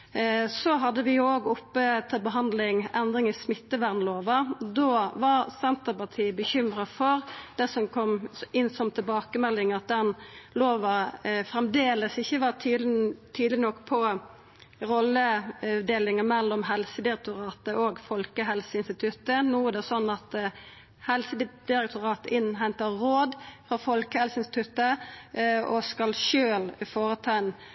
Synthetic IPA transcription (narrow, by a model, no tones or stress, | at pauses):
sɔɦɑd̪ːəʋɪjoːɡɔpːət̪ʰɪlbəɦɑnd̪lɪŋɛnd̪ɾɪŋɪsmɪt̪ːəʋæʁnloːʋɑd̪oːʋɑɾsɛnt̪əpɑt̪ʰiːəbəçʏmɾəfɔɾd̪̥ɛsɔmkʰɔmʔɪnːsɔmt̪ʰɪlbɑːkəmɛlːɪŋɑt̪̚d̪ɛnloːʋɑfɾɛmd̪eːləsɪçːəʋɑt̪ʰːt̪ʰyːd̪lɪnɔkːpʰɔ | ʁɔlːəd̪eːlɪŋəmɛlːɔmɦɛlsəd̪ɪɾɛk̚t̪ʊɾɑːt̪əʔoɡfɔlkəɦɛlsəɪnst̪ɪt̪ʰʉt̪ənuːæd̪ɛsɔnːɑt̪ | hɛlsəd̪̥ɪɾɛk̚t̪ʰʊɾɑːt̪əɪnːɦɛnt̪əɾoːd̪fɾɑfɔlkəhɛlsəɪnst̪ɪt̪ʰʉt̪ə | ɔskɑlʃøːlɪfoːɾət̪ʰæɪn